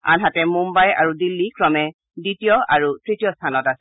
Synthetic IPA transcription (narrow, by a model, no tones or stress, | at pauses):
a̰nɦatɛmumbaja̰ɹudilːikɹɔmɛ | ditijɔʔaɹutɹitijɔstʰanɔtasɛ